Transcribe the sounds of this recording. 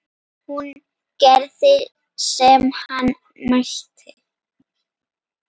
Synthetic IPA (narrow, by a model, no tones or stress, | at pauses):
hun | kɛɾðɪ | sɛmhan | maçt̪ʰɪ